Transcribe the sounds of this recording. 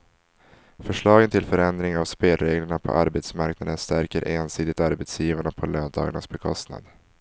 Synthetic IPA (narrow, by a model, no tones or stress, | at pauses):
fœʂɭɑːɡənt̪ʰɪlfœɾɛnd̪ɾɪŋavspeːlɾeːɡləɳapʰɔ̰ʔaɾbɛt̪smaɾknad̪ənst̪æɾkəɾʔeːnsiːd̪ɪt̪aɾbɛt̪sjiːvaɳapʰɔløːnd̪ɑ̰ːɡaɳa̰sbɛkʰɔst̪na̰d̪